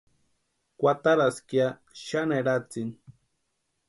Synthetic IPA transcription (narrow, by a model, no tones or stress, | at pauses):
kʷwat̪aɾaskja | ʃaneɾat͡sin